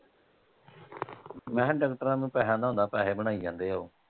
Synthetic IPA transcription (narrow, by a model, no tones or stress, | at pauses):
mɛ̃ːɖəːkʈəɾãːnũːpɛːɦãːd̪aːõːnd̪aːpɛːɦeːbəɽ̃aːiːd͡ʒãːnd̪eːɦoː